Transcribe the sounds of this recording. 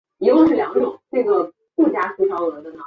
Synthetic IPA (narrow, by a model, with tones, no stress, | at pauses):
xo˧ʊʂɻ̩˥˩ljɑ˨˥ŋɡə˥˩ʈ͡ʂʊ˨˩˦ŋʈ͡ʂɤ˥˩ɡə˩ | kɤ˥˩t͡ɕja˥ɕʰi˧˥ɑ˧˥˨ə˧˥d̪ə˧˥nɑ˨˩